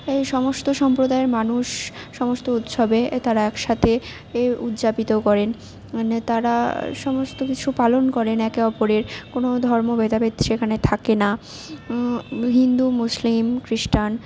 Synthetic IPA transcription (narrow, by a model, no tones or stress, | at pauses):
ejʃɔmost̪oʃɔmpɾod̪aeɾmanuʃːɔmost̪out̪ʃobet̪aɾaɛkʃat̪ʰe | ut̪d͡ʑapit̪okɔɾen | t̪aɾaʃɔmost̪okit͡ɕʰupalonkɔɾenɛkeɔpoɾeɾkonod̪ʱɔɾmobet̪abed̪ʃekʰanet̪ʰakena | ɦind̪umuslimkɾiʃʈan